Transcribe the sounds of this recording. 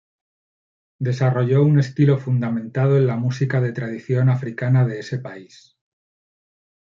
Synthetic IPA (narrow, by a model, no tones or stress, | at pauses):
d̪e̞saro̞ʝo̞une̞st̪ilo̞fund̪amẽ̞nt̪að̞oenlamusikaðe̞t̪ɾaðiθjo̞nafɾikanaðe̞ese̞pais